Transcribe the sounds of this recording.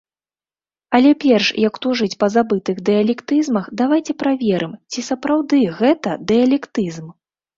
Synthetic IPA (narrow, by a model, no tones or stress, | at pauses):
ɐlʲɛpʲɛrʂjɐkt̪uʐɨt͡sʲpɐzabɨt̪ɨɣd̪ɛjɐlʲɛkt̪ɨzmɐxd̪avajt͡sʲɛpɾavʲɛɾʔɨmt͡sʲisɐpɾawd̪ɨɣɛt̪ɐd̪ɛɐlʲɛkt̪ɨzm